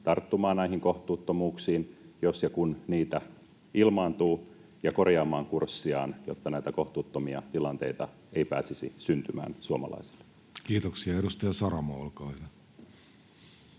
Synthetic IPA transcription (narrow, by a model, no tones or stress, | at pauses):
t̪ɑrt̪ːumɑːnnæiɦiŋkoht̪uːt̪ːomuːksiːnjosjɑkunniːt̪æ | ʔilmɑːnt̪uː | jɑkorjɑːmɑːŋkursːiɑːnjot̪ːɑnæit̪ækoht̪uːt̪ːomiɑ̰t̪ilɑnt̪e̞̰it̪ɑ̰ | eipæ̰ːsisḭsynt̪ymæ̰ːnsuomɑ̰lɑ̰ise̥lːe̥ | kiːt̪oksiɑedust̪ɑjɑsɑɾɑmɑolkɑile